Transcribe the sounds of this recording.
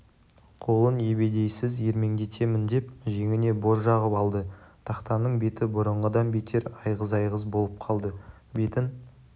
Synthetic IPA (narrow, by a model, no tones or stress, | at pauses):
qʰo̞lˠənje̞be̞d̪e̞jsɪzje̞ɾme̞ŋd̪e̞t̪ʰe̞mɪnd̪e̞pʒe̞ŋɪne̞bo̞ɾʒɑʁəpɑlˠd̪ət̪ʰɑqt̪ɑnːəɴbe̞t̪ɪbʊɾəɴʁəd̪ɑnbe̞t̪ʰe̞ɾɑjʁəzɑjʁəzbo̞lˠəp̚qʰɑlˠd̪ə | be̞t̪ɪn